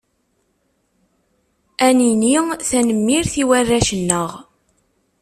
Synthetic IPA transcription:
æniniθænəmːiɾθiwærːæʃənːəʁ

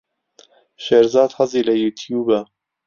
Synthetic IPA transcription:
ʃeɾzɑːd̪hɐziːlɐjuːt̪ʰjuːbɛ

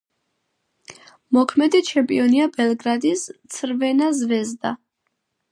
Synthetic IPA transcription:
mɔkʰmɛd̪it͡ʃʰɛmpʼiɔniabɛlˠɡɾad̪ist̪sʰɾvɛnazvɛzd̪a

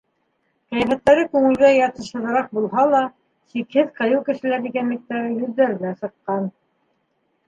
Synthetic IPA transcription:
qæjæfæt̪ːæɾɘkʉŋɘ̆lɡæjɑt̪ɤ̆ʃɤ̆ðɤ̆ɾɑq̚bulˠɦɑlˠɑ | sikhɘðqɤ̆jɤwkɘ̆ʃɘ̆læɾd̪iɡænmɘ̆k̚t̪æɾɘjɵ̆ðːæɾɘ̆næsɤ̆qːɑn

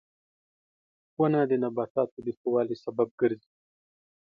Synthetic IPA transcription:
xwanad̪ənabɑt̪ɑt̪od̪əxowɑlisabab̚ɡəɾzi

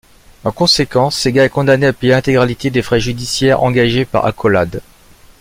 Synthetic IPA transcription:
ɑ̃kɔ̃sekɑ̃ːeɡaɛkɔ̃d̪aneapejeɛ̃t̪eɡʁalit̪ed̪efχɛʒyd̪isjɛʁɑ̃ɡaʒepa̰ʁa̰kʰɔla̰d̪

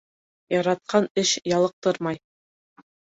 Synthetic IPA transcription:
jɑɾɑt̪̚qɑnɘʃjɑlˠɤ̆q̚t̪ɤɾmɑj

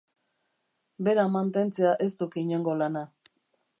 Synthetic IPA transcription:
be̞ɾamant̪e̞nt͡se̞aʔe̞st̪ukiɲo̞ŋɡo̞lana

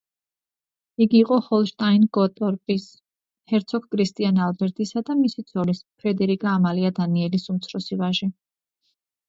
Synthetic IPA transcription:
iɡiːqʼɔhɔlˠʃt̪ʼainɡɔt̪ʼɔɾpʼis | hɛɾt̪sʰɔkʰkʼɾist̪ʼianalbɛɾt̪ʼisad̪amisit̪sʰɔlispʰɾɛd̪ɛɾikʼaːmaliad̪aniɛlisumt̪sʰɾɔsivaʒi

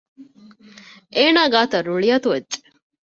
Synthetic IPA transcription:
ʔeːnaːɡaːt̪ɐɾuɭijɐt̪uʋedt͡ʃe̥

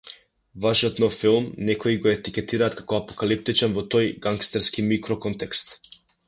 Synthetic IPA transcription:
vaʃijɔt̪nɔfilˠmnɛkɔiɡɔɛt̪ikʲɛt̪iɾaːt̪̚kakɔapɔ̥kalip̚t̪it͡ʃɛnvɔt̪ɔjɡaŋkst̪ɛɾskimikɾɔkɔnt̪ɛkst̪

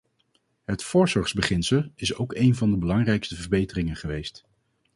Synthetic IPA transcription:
ɦətfʊːɹzɔɹzbəχɪnsəlˠɪsowkejnvɑndəbəlɑŋrɛjkstəvəɹbejtərɪŋənχəʋejst

